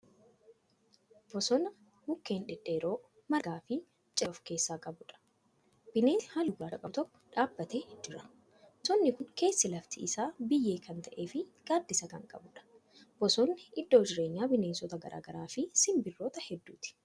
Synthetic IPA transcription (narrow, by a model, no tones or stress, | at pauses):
b̥ɔsɔnɐ | mʊkːe̞ːnᶑɪᶑeːɾo̞ː | mɐɡaːfɪ | t͡ʃʼɐfke̞ːsːaːkʼɐbʊᶑɐ̥ | b̥ɪne̞ːhalʊɡaːɐkʼɐt̪ɔkːɔ̥ᶑaːbːɐt̪eːd͡ʒɪɾɐ | sɔnːɪkʊŋke̞ːsːɪlɐft̪ɪɪsaːbɪjːe̞ːkɐnt̪ɐʔeːfɪɡ̥aːd̪ːɪsɐkɐŋkʼɐ̰bʊᶑɐ̥ | b̥ɔsɔnːɪɪd̪ːoːd͡ʒɪɾe̞ːɲːaːbɪne̞ːnsɔt̪ɐɡɐ̰ɾʔa̰ːɡɐɾaːfɪsɪmbɪrːoːt̪ɐhɛd̪ːuːt̪ɪ̥